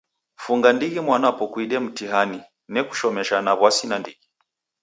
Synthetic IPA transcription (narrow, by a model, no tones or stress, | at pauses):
fuŋɡandiɣimwanapɔkwiɗɛm̩tiɦani | nɛku̥ʃɔmɛʃanaβwasinandiɣi